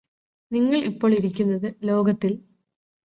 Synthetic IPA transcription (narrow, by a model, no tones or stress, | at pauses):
niŋːɐɭipːo̞ːɭiɾikʲːunːɐðɨlo̞ːɡɐt̪ːil